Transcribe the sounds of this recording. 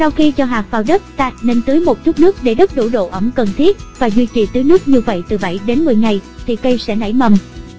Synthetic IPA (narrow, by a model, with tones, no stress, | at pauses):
sa˧wxi˧t͡ɕɔ˧ɦaː˨˩k̚faː˧˩wɗə˦˥t̚t̪aː˨˥t̚ne˧nt̪ɨ˨˦jmo˨˩t̚t͡ɕu˦˥t̚nɨ˦˥ək̚ɗe˧˩ɗə˦˥t̚ɗṵ˧˩ɗo̰˧˨ʔə˧˩ŋ͡mkə˨˩nt̪ʰi˦˥ət̚vaː˨˩zwi˧t͡ɕḭ˧˨t̪ɨː˨˦jnɨ˦˥ək̚ɲɨ˧və̰˧˨jt̪ɨ˨˩ɓə̰˧˨jɗe˨˦nmɨ˨˩əjŋa˨˩jt̪ʰi˨˩kə˧jsɛ̰˧˥na̰˧˩jmə˨˩m